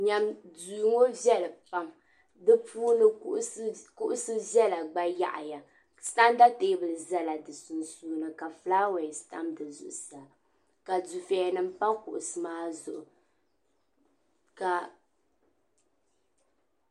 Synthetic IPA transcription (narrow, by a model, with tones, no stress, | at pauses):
ɲa˨mduː˨ŋo˦vjɛ˦lɨ˨pa˦m | dɨ˦pu˦nɨ˦ʔkʊ˦ʔʊ˦sɨ˦ʒɛ˦la˨ɡ͡ba˦ja̰˦ʔa̰˨ja˨ | sta˦nda˦te˨˦bɨ˨lɨ˨za˦la˨dɨ˨sʊ˨nsuː˦nɨ˨ka˨flaː˦wɛ˨sta˦mdɨ˨zʊ̰˨ʔʊ˨sa˨ | ka˨du˨fɛ˨nɨ˦m˦pa˦kʊ˨ʔʊ˨sɨ˦maː˦zʊ˨ʔʊ˨ | ka˨